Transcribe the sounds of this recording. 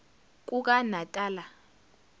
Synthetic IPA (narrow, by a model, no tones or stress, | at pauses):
k̬ʼuk̬ʼanatʼaːla